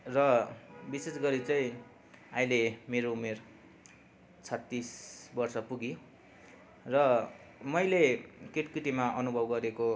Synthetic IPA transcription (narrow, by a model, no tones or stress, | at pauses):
rʌbisesɡʌɾit͡sʌĩ | aj̃lemeɾoumer | t͡sʰʌt̪ːisbʌrsʌpuɡi | rʌ | mʌjlekiʈkiʈimaʔʌnubʱʌbɡʌɾeko